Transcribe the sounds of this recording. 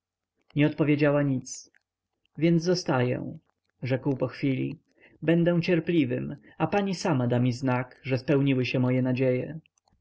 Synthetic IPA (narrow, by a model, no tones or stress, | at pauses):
ɲɛɔt̪̚pɔvʲjed͡ʑawaɲit̪s | vʲjɛnzɔst̪ajɛ̰w̃ | ʐɛkwpɔxfʲilʲḭ | bɛnd̪ɛ̃t͡ɕɛɾplʲivɘm | apaɲisamad̪amʲiznakʐɛspɛwɲiwɘɕɛmɔjɛnad͡ʑejɛ